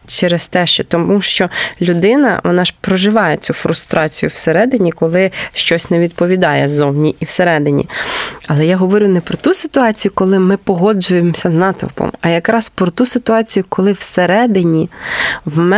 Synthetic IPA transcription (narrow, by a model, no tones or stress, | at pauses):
t͡ʃɛɾest̪ɛʃt͡ʃɛt̪ɔuʃt͡ʃɔlʲʊd̪ɪnɐ̰ʋɔ̰nɑʒ̥pɾɔʒɪʋɑjet͡sʲufɾʊst̪ɾʔɑt͡sʲijʊwseɾɛd̪ɪnʲikɔlˠɪʃt͡ʃɔsʲnɛʋʲid̪̚pɔʋʲid̪ɑjɛzɔwnʲiʔiwseɾɛd̪ɪnʲḭɐlˠɛjaɦɔʋɔɾʲunɛpɾɔt̪usɪt̪ʊɑt͡sʲijʊkɔlˠɪmɪpɔɦɔd͡ʒʊjemɔsʲɐznɑt̪ʊ̰pɔ̰mɐjɐkɾɑspɾɔt̪usɪt̪ʊɑt͡sʲijʊkɔlˠɪwseɾɛd̪ɪnʲiwmɛ